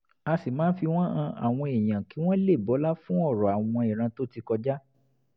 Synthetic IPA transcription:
a˧si˨mãː˨˦n̩˦fi˧w̃ɔ̃˦ã˧a̰˨w̃ɔ̃˧e˨j̃ã˨ki˨˦w̃ɔ̃˦le˦˨bɔ˨˦la˦fũ˦ɔ˦˨ɾɔ˨a˨w̃ɔ̃˧e˨ɾ̃ã˧to˦ti˧kɔ˧d͡ʒa˦

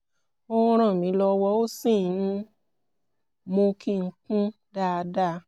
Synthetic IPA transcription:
õ˦ɾ̃ã˦˨mĩ˨˦lɔ˧wɔ˧˦o˦sĩ˦˨nũ˧ | mõ˧kʰi˦˧ŋ̩˧kũ˦ | da˦˧da˦˨

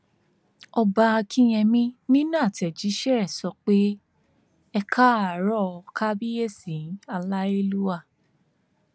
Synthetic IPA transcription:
ɔ˧ba˧a˧kʰi˦j̃ɛ̃˧mĩ˦nĩ˦nã˦˨tɛ˨d͡ʒi˨˦ʃɛ˦˨ɾɛ˨sɔ˧k͡pe˦ | ɛ˧kʰa˦a˨ɾɔ˦˨˧ka˦bi˦je˦˨sĩ˨˦a˧la˦e˧lu˦a˦˨

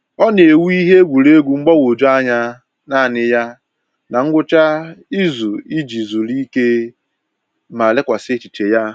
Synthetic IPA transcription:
ɔ˦n˨e˨wu˦i˦ɦe˦ɡʷu˨ɾe˦ɡʷu˨ŋ͡m̩˦ɡ͡bɔ˦wo˨d͡ʒo˦a˦ɲa˦ | na˦˨nɪ˦ja˦ | na˨ŋ̩˦ɡʷʊ˦t͡ʃa˦i˦zu˨i˦d͡ʒi˨zu˨li˦ke˦ | ma˨le˦kʷa˨st͡ʃi˨t͡ʃe˨ja˦

